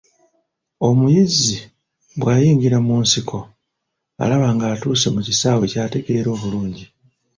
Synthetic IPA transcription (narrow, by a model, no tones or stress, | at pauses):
o̞mujizi | βwaːjiːɲɡiɾamuːnsikʰo̞ | a̰laβaːŋɡaːtuːse̞mucisaːwecaːte̞ɡe̞ɾo̞ːβuluːɲɟi